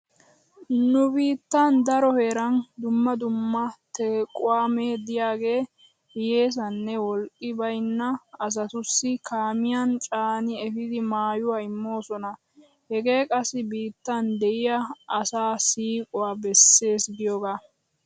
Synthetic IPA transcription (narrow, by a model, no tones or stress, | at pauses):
nʊbiːt̪ːɐnd̪ɐɾɔhe̞ːɾɐnd̪ʊmːɐd̪ʊmːɐt̪ɛːkʼʊwaːmeːd̪ɪjaːɡe̞ː | hɪje̞ːs̬ɐnːɛwɔlkʼːɪbɐjnːɐɐs̬ɐt̪ʊsːɪkʰaːmɪjant͡ʃʼaːnɪɛfɪd̪ɪmaːjʊwaːɪmːo̞ːsɔnɐ | hɛɡe̞ːkʼɐsːɪbiːt̪ːɐnd̪ɛʔɪjɐʔːsaːsiːkʼɔwaːbɛsːe̞ːsɡɪjɔɡaː